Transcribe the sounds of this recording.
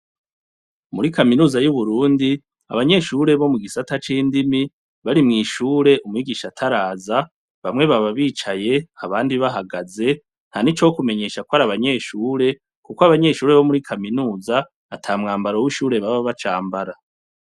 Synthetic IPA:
muɾikaminuːzajuβuɾuːndi | a̰βaɲe̞ːʃuːɾe̞βo̞muɡisatat͡ʃiːndimi | βaɾimŋiːʃuːɾe̞ʔumŋiːɡiːʃatʰaɾaːza | βamŋe̞βaβaβiːt͡ʃaje̞aβaːndiβaɦaɡaze̞ | n̥hanit͡ʃokume̞ɲe̞ːʃakwaɾaβaɲe̞ːʃuːɾe̞ | kukoaβaɲe̞ːʃuːɾe̞βo̞muɾikʰaminuːzaː | tʰaːmŋaːmbaɾo̞wiʃuːɾe̞βaβaβat͡ʃaːmbaɾa

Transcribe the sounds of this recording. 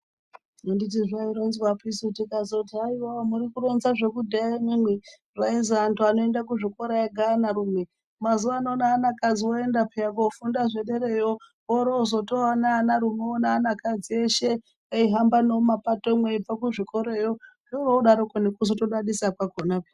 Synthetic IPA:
ondit̬iʐaiɾonzwapisutikazotiaiwamuɾikuɾo̞nzaʐe̞kudʱaimimwe | rainziantuano̞e̞ndak̬uʐiko̞ɾajeɡʱanaɾumwe | mazuʋaːnoːnaːnakad͡ziwoendapeakofundaʐeɗeɾejo | oɾoːzotowanaːnaɾumeonaːnakad͡zieʃe | aiɦambanomapato̞mweib͡vakuʐiko̞ɾejoʐiuɾoɗaɾokonekus̬otoɗaɗisakwakonape

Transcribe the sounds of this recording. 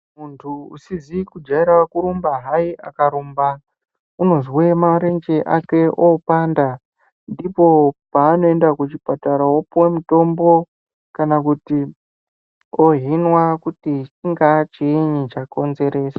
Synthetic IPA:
muntʰuṵsizikud͡ʒaiɾakuɾumbaɦaiʔa̰kaɾumba | uno̞zwemaɾe̞nd͡ʒe̞ʔake̞ʔopanda | ndipo̞paːno̞e̞ndakut͡ʃipataɾawopwemuto̞mbo̞ | kanakuti | oɦinwakutit͡ʃiŋɡat͡ʃiɲit͡ʃako̞nze̞ɾe̞ːsḁ

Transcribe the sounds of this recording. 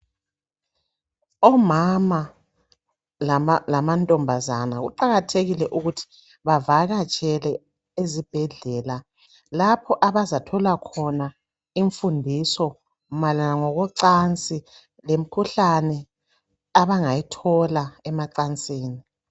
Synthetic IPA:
ɔmama | lamantʼɔmbʱazanaɣṵǃaɣatʰeɣilɛʔuɣutʰi̥ | βavaɣat͡ʃʼɛlɛ | ezib̥ʱɛɮɛːla | lapʰɔʔaβazatʰɔlakʰɔna | iɱfundʱisɔ | malanaŋɔɣɔǀant͡sʼi | lem̩kʰuɬanɛ | aβaŋajitʰɔlaɛmaǀant͡sʼiːni

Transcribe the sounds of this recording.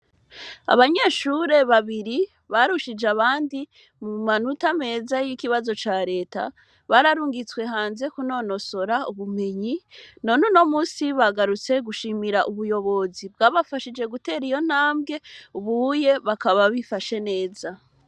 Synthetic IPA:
a̰βaɲe̞ːʃuɾe̞βaβiɾi | βaɾuʃid͡ʒeaβaːndi | mumanutame̞ːzajikiβazo̞t͡ʃaːɾe̞ːta̰ | βaɾaɾuːŋɡit͡swe̞ɦaːnze̞kuno̞no̞so̞ɾauβume̞ɲino̞nuno̞muːsiβaɡaɾut͡se̞ɡuʃiːmiɾaʔuβujo̞βo̞zib̚ɡaːβafaʃid͡ʒe̞ɡute̞ːɾijo̞n̥haːmbɡe̞uβuje̞βakaβaβifaʃe̞ne̞ːza

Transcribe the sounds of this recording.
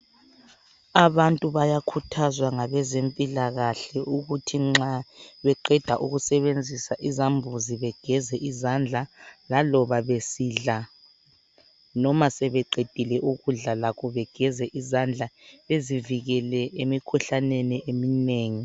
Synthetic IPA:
aβantʼuβajakʰutʰazwaŋaβɛzempʼilaɣaɬɛuɣutʰiŋ͡ǁaβɛǃɛd̥ʱaʔuɣusɛβend͡zʱisaʔizambʱuziβɛɡ̥ʱɛzɛʔizand͡ɮʱalalɔβaβesiːɮa | nɔmasɛβɛǃed̥ʱilɛʔuɣuɮalakʰɔβɛɡ̥ʱɛzɛʔizand͡ɮʱaeziviɣɛlɛemikʰuɬaneniʔemineːŋi

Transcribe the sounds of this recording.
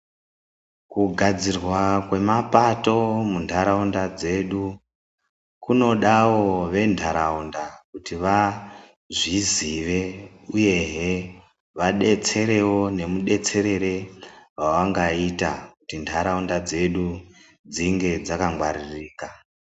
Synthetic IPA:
kuɡʱad͡zirwakwe̞mapato̞mundʱaɾaundad͡ze̞ɗu | kuno̞ɗawo̞ʋe̞ndʱaɾaundakutiʋa | ʐiziʋe̞ | uje̞ɦe | ʋaɗe̞t͡se̞ɾe̞wo̞ne̞muɗe̞t͡se̞ɾe̞ɾe̞wawaŋɡaitakutindʰʱaɾaundad͡ze̞ɗu | d͡ziŋɡe̞d͡zakaŋɡwa̰ririːka

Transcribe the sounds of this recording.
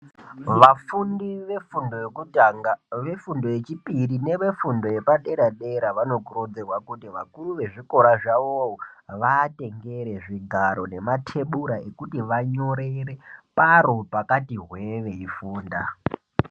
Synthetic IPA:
ʋafundiʋe̞fundojokutaaʋe̞fundo̞jet͡ʃipiɾine̞ʋe̞fundo̞je̞paɗe̞ɾaɗeɾaʋano̞kuɾod͡zerwakutiʋa̰kuɾuʋe̞ʐiko̞ɾaʐaʋowoʋate̞ŋɡe̞ɾe̞ʐiɡʱaɾo̞ne̞matʰe̞ɓuɾae̞kutiʋaɲo̞ɾeɾepaɾopakatiɦweʋe̞ifuːnda

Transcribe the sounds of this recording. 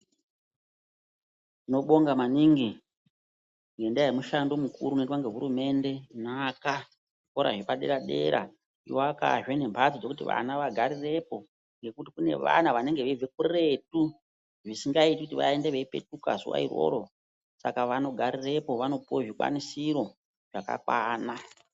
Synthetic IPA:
ino̞ɓo̞ŋɡamaniŋɡi | ŋɡe̞ndaɦemuʃando̞mukṵɾunetwaŋɡe̞ɦuɾume̞nde̞naka | koɾa̰ʐepaɗe̞̰ɾaɗe̞̰ɾa̰ | ioaka̰ʒwene̞mpʰasid͡zo̞kutiʋa̰naʋaɡʱaɾire̞po̞ | ŋɡe̞kutikune̞̰ʋa̰naʋane̞ŋɡeʋeve̞kure̞tu | ʐisiŋɡaitikutiʋa̰e̞ndeʋeipe̞̰tuka̰zṵwa̰ḭrwo̰ɾo̞ | sakaʋano̞ɡʱaɾire̞po̞ʋano̞puoʐika̰nisiɾo̞ | ʐ̥aka̰kwaːna

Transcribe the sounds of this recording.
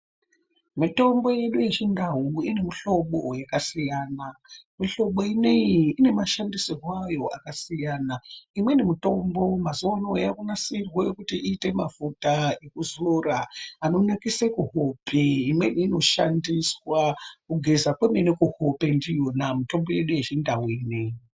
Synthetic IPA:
mito̞mbo̞je̞ɗuje̞t͡ʃindaɦuine̞miɬo̞ɓo̞jakasijaːnamiɬo̞ɓo̞inejiine̞maʃandisirwajo̞a̰kasijanaimwe̞nemito̞mbo̞mazanojakunasirweekutiiːte̞mavutaekuzoraːno̞nakisekuɦopʰeimweno̞ʃandiswakuɡʱe̞zakwemenekuhopendijo̞namito̞mbo̞je̞ɗuje̞t͡ʃindaɦuineji

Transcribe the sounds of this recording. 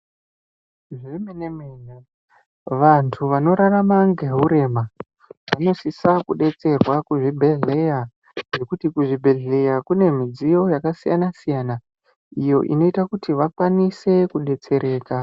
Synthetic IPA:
ʐemenemeːja | ʋantʰuʋano̞ɾaramaŋɡeɦuɾe̞ːma | ʋano̞sisakuɗe̞t͡se̞rwakuʐibʱe̞ɮe̞ja | ʐe̞kutikuʐibʱe̞ɮe̞jakune̞mid͡zijo̞jakasija̰nasijana | ijo̞ʔḭno̞itakutiʋakwanise̞kuɗe̞t͡se̞ɾʔe̞ːka

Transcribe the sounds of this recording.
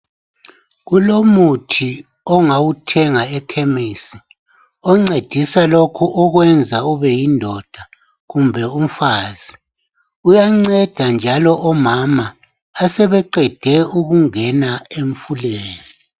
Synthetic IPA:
ɣulomutʰi | ɔŋawutʰɛŋaɛkʰemisi | ɔŋ͡ǀed̥ʱisalokʰuʔɔɣwɛnd͡zʱauβɛjindʱɔd̥ʱa | ɣumbʱɛum̩faːz̥i | ujaŋ͡ǀɛd̥ʱand͡ʒʱalɔʔɔmamaː | sɛβɛǃɛd̥ʱɛuɣuŋɛnaeɱfuleːli

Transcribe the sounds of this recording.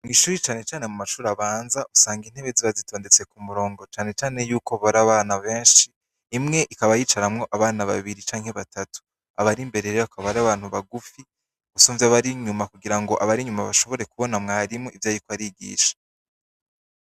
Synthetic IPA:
mŋiːʃuːɾit͡ʃaːne̞t͡ʃaːne̞mumaʃuːɾaβaːnzaʔusaːŋɡin̥he̞βe̞ziβazitʰo̞ːnde̞t͡se̞kumuɾo̞ːŋɡo̞t͡ʃaːne̞t͡ʃaːne̞juːkoβaɾaβaːnaβe̞ːnʃiː | mŋe̞ʔikaβajiːt͡ʃaɾamŋo̞ʔaβaːnaβa̰βiɾit͡ʃaːŋhe̞βatatu̥ | aβaɾimbe̞ɾe̞ɾeβakaβaɾaβaːn̥huβaɡufi | usuːɱveaβaɾiɲumakuɡiɾaŋɡo̞ʔaβaɾiɲumaβaʃo̞βo̞ɾe̞kuβo̞namŋaːɾimoivjaːjikoaɾiɡḭːʃḁ

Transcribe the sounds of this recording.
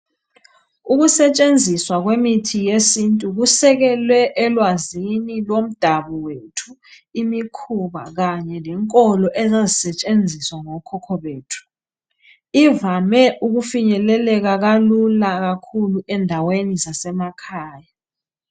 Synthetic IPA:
uɣusɛt͡ʃʼend͡zʱiswaɣwemitʰijesintʼuɣusɛɣɛlwɛʔɛlwazinilwom̩d̥ʱaβɔwetʰu | imikʰuβa̰ɣaɲɛlɛŋkʼɔlɔʔɛzezisɛt͡ʃʼend͡zʱiswaŋɔkʰɔkʰɔβeːtʰu̥ | ivamɛʔuɣufiɲɛlɛlɛɣaɣalulaɣakʰuluɛndʱawenizasɛmakʰaːja

